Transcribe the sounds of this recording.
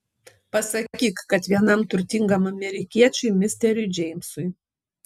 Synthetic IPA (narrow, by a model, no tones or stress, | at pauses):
pɐsɐkʲiːkkɐt̪ʋʲiɛnɐmt̪ʊɾʲt̪ʲɪŋɡɐmɐmʲɛɾʲɪkʲiɛt͡ʃʲʊɪmʲɪsʲt̪ʲɛɾʲʊɪd͡ʒʲɛɪmʲsʊɪ